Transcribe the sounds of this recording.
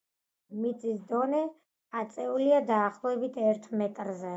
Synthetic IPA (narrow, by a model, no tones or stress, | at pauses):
mit̪sʼisd̪ɔnɛ | at̪sʼɛuliad̪aːχlˠɔɛbit̪ʰɛɾt̪ʰmɛt̪ʼɾzɛ